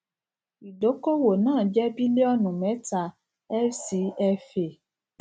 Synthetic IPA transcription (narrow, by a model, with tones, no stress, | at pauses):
i˨do˨˦ko˦wo˨nãː˦˨d͡ʒɛ˦bi˦le˦ɔ˦nũ˨mɛ̃˨˦ta˧ | ɛ˦lsi˨˦ɛ˧fe˨